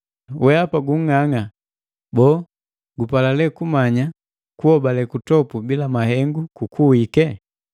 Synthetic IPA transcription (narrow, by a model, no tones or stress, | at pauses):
wɛapaɡuŋ̩ːaŋa | bɔː | ɡupalalɛkumaɲa | kuhɔbalɛkutɔpubilamahɛŋɡukukʰuikɛ